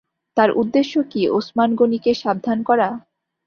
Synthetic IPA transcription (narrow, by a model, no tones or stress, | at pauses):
t̪aɾʔud̪ːeʃːokiosmanɡonikeʃab̚d̪ʱankɔɾa